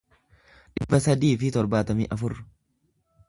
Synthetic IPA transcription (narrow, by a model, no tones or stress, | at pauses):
ᶑɪbːɐsɐd̪iːfɪt̪ɔɾbaːt̪ɐmiːʔɐfʊrːʊ̥